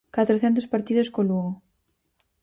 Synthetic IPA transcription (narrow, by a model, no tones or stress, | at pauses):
kat̪ɾoθɛnt̪̬ʊspaɾt̪iðoskoluɣo